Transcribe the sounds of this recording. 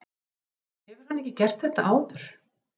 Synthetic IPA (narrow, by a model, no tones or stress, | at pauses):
hɛvʏɾ̥hanɛcːɪcɛr̥t̪θɛht̪aʔaːwðʏɾ̥